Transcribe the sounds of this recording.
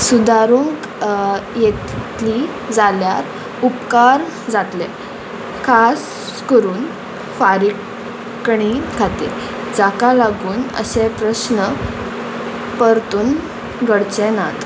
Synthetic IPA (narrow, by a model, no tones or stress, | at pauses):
sud̪aɾuŋk | jet̪t̪li | d͡zaljaɾ | upkaɾ | d͡zat̪lɛ̃ | kʰas | kəɾuːn | faɾi | kɳiɡʰʱat̪ḛ | d͡zakalaɡuːnə̰ɕepɾəsnə | pəɾt̪uːn | ɡəɽt͡ɕɛnat̪